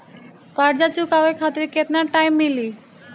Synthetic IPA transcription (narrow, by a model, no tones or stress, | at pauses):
kaɾd͡ʑat͡ɕukawekʰat̪ɾiket̪naɾʈajmːili